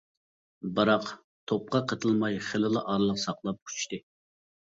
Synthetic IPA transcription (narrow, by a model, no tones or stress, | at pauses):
bɨɾɑq | t̪ʰop̚qɑqʰət̪ʰɨlˠmɑjχelɨlˠəʔɑɾlˠəqsɑqlˠɑp̚qʰu̥t͡ʃt̪ɨ